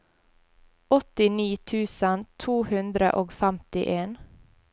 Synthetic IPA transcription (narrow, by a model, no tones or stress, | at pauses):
ɔt̪ɪniːt̪ʰʉːsənt̪ʰuːhʉnd̪ɾə̰ʔoːɡfæmt̪ɪ̰ʔeːn